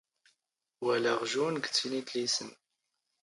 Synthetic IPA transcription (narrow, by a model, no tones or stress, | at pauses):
wælæʁʒunɡt͡sːinid̪lisən